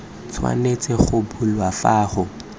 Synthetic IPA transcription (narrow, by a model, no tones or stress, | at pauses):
t͡sʰwa̰net͡sʼɛχʊbulwafaːχʊ